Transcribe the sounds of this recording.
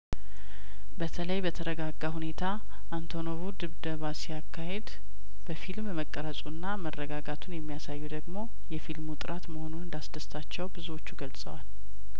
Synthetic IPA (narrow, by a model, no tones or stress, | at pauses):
bət̪ʰələjbət̪ʰəɾəɡaɡːahune̞t̪ʰa | ʔant̪ʰo̞noβud̪ɨβd̪əβasijakʰːahe̞d̪ | b̥əfilmməkʼːəɾəsʼunːamərːəɡaɡat̪ʰunjɛmːijasajːud̪əɡmo̞ | jɛfilmut̪ʼɨɾat̪məho̞nunɨnd̪asd̪əst̪ʰat͡ʃːɛwbɨzuwo̞t͡ʃːuɡəlsʼə̰wal